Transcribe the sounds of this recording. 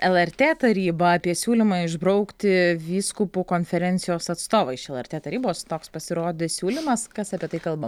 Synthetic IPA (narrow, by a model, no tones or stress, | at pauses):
ɛlˠɛɾʲt̪ʲeːt̪ɐɾʲiːbɐɐpʲiɛsʲuːlʲɪmɑːɪʒbɾɐʊkt̪ʲɪʋʲiːskʊpuːkoːnʲfʲɛɾʲɛnʲt̪sʲɪjoːsɐt̪st̪oːʋɐɪʃɛlˠɛɾʲt̪ʲeːt̪ɐɾʲiːboːst̪oːkspɐsʲɪɾoːd̪ʲɪsʲuːlʲɪmɐskɐsɐpʲiɛt̪ɐɪkɐlˠbɐ